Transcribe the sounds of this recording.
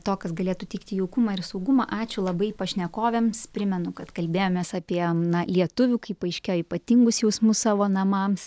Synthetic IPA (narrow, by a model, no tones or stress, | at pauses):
t̪oːkɐsɡɐlʲeːt̪ʊt̪ʲɛɪkt̪ʲɪjɛʊkʊmɑːɪɾsɐʊɡʊmɑʔɑːt͡ʃʲʊlˠɐbɐɪpɐʃʲnʲɛkoːʋʲɛmspʲɾʲɪmʲɛnʊkɐt̪kɐlʲbʲeːjoːmʲeːsɑːpʲiɛnɐlʲiɛt̪ʊʋʲuːkɐɪpɐɪʃʲkʲɛjipɐt̪ʲɪŋɡʊsjɛʊsmʊssɑːʋoːnɐmɑms